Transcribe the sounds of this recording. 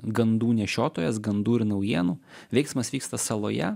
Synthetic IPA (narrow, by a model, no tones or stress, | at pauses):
ɡɐnd̪uːnʲɛʃʲoːt̪oːjɛsɡɐnd̪uːɪɾnɐʊjiɛnuːʋʲɛɪksmɐsʋʲiːkst̪ɐsɐlˠoːjɛ̰